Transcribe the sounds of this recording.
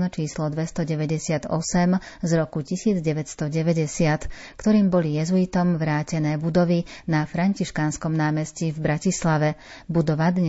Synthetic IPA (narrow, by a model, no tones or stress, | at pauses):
nt͡ʃiːslɔd̪ʋɛst̪ɔɟɛʋɛɟɛsɪad̪ɔsɛm | zɾɔkucisiːd͡zɟɛʋɛcst̪ɔɟɛʋɛɟɛsɪat̪ | kt̪ɔɾiːmbɔlijɛzuit̪ɔmʋɾaːcɛnɛːbud̪ɔʋinafɾaɲciʃkaːnskɔmnaːmɛscivbɾacislaʋɛbud̪ɔʋad̪ɲɛ